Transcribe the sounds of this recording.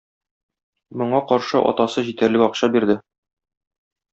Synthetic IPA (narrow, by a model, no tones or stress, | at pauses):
mŏɴɑqɒɾʃɤʔɒ̰t̪ɑsɤʑit̪æɾlɘkɒqɕɑbiɾd̪ɘ